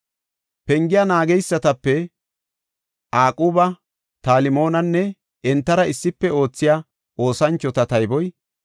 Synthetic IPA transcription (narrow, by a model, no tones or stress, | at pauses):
pɛŋɡɪjaːnaːɡɛjsːɐt̪ɐpːɛ | ʔaːkʼuːbɐ | t̪aːlɪmo̞ːnɐnːɛ | ɛnt̪ːɐɾɐɪsːɪpːɛo̞ːt͡sːɪjaː | ʔo̞ːsɐnt͡ʃːɔt̪ɐt̪ɐjbɔj